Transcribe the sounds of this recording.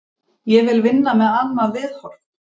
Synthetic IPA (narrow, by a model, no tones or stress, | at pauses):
jɛvɪlvɪnːamɛðanːavɪðhɔɾ̥